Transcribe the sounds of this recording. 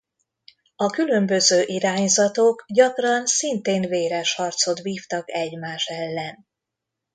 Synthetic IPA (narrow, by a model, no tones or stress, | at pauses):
ɒkylø̞mbø̞zøːʔiɾaːɲzɒt̪okɟɒkrɒnsint̪eːnveːɾɛʃhɒrt̪so̞t̪ʋiːft̪ɒkɛɟmaːʃɛlːɛn